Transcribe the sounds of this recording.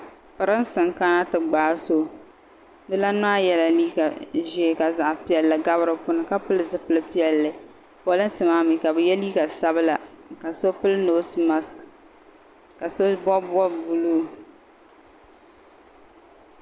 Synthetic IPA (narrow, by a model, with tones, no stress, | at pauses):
pɨ˨ɾɨ˦n˦sɨ˨ŋka˦na˦tɨ˨ɡ͡baː˨so˦ | dɨ˦la˦n˦a˦jɛ˦la˨liː˦ka˨ʒɛ˦˨ka˨za˨ʔpi˦ɛ˨lːɨ˨ɡa˦βɨ˦ɾɨ˨pʊ˦nɨ˨ka˦pɨ˦lɨ˦zɨ˨pɨ˦lɨ˦pi˦ɛ˦lːɨ˨ | pɔ˨lɨ˦n˦sɨ˨maː˦mi˨ka˨bɨ˨jɛ˦liː˦ka˨sa˦bɨ˦la˨ka˨so˦pɨ˦lno˦si˦ma˦sk | ka˨so˦bɔ˦bʊ˦ɔ˦bu˨luː˦